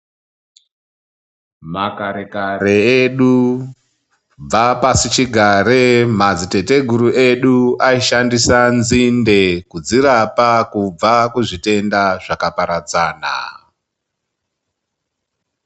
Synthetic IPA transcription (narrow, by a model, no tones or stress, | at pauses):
makaɾekaɾeeɗu | b͡vapasit͡ʃiɡʱaɾemad͡zite̞te̞ɡʱuɾuʔe̞ɗuaiʃandisanzinde̞kud͡ziɾapakub͡vakuʐite̞ndaʐ̥akapaɾad͡zaːna̰